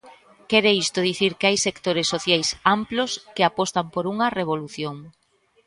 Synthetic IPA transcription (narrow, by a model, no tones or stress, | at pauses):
kɛɾeist̪ʊðiθiɾkeajsekt̪oɾesːoθjajsamploskɪapɔst̪ɐmpoɾuŋɐreβ̞oluθjoŋ